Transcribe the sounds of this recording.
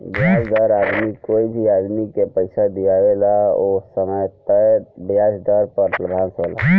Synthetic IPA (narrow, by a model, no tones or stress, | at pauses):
biasd̪əɾad̪mikoibʱiad̪mikepəɪsad̪ijabelaosəməjt̪əbjad͡ʒd̪əɾpəɾt̪lbʱansɦola̰